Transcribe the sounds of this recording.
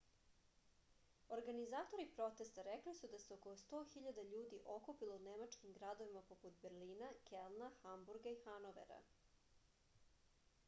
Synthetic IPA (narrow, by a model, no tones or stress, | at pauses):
oɾɡanizaːt̪o̞ɾipɾo̞t̪e̞st̪aɾeklisud̪aseokost̪oːxiʎad̪aʎuːd̪iʔo̞kupilˠounemat͡ʃkimɡɾad̪o̞ʋimapoput̪beɾliːnakelˠnaxambuɾɡaixanoʋḛɾa̰